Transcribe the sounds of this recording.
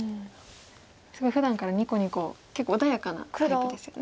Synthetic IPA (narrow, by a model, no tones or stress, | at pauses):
sɨɡo̞iɸɯd̪ãŋkaɾaɲ̟iko̞ɲ̟iko̞kekːoːd̪ajakana̰kkid̪e̞sɨjon